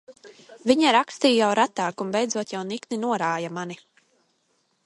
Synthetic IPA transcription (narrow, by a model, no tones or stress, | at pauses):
vʲiɲaɾakst̪iːjawɾat̪aːkumbɛjd̪zuɔt̪jawnikninuɔɾaːjamani